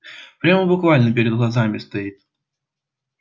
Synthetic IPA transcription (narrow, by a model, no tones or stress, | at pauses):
pɾʲaməbʊkvalʲnəpʲɪɾʲɪd̪ɣlˠɐzamʲɪst̪ɐit̪̚